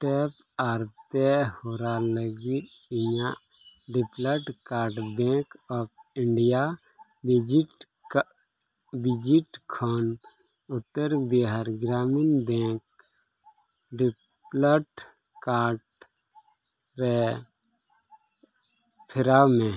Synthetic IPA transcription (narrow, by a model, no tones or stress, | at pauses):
ʈɛːp | aːɾp̪ehoːɾaləɡit̪ | ɪɲa | ɖɪpləʈkaːɾʈbɛ̃ːkɔːpʰɪɳɖija | d͡ʒʈ | bɪd͡ʒiʈkʰɔn | ʊt̪ːəɾbiɦaɾɡɾaːminbɛ̃ːk | ɖ | pləʈ | kaːɾʈ | ɾɛ | pʰɪɾaːmẽ